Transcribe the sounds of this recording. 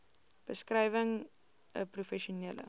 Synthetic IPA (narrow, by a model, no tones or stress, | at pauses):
b̥əskrɛjvəŋ | əprufɛʃunɛlə̰